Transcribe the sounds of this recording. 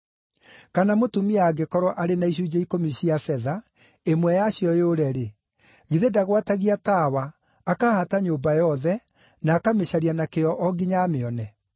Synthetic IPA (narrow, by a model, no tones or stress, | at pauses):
kanamotumiaɡekɔɾwɔʔaɾenaiɕ̬ud͡ʑaikomiɕiafɛða | emwɛjaɕjɔjoɾɛɾe | ɣiðedaɣwataɣiatawaː | kahataɲoːbajɔðɛ | naːkameɕaɾianakeɔʔɔɡiɲameɔnɛ